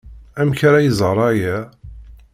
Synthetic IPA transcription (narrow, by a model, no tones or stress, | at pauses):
æmçaɾæjəzˤɾˤɑjæ